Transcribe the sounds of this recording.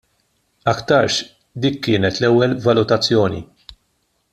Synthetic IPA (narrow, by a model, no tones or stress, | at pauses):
ɐkt̪ɐɾʃ | d̪iːkːɪːnɛt̪lɛwːɛlvɐlʊt̪ɐt͡sːjɔːnḭ